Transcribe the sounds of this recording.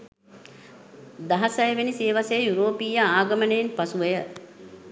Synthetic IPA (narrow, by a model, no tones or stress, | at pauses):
d̪ɐɦɐsɐjəʋeniseːʋasejəjuɾoːpiːjaaːɡəmənejinpasuʋejə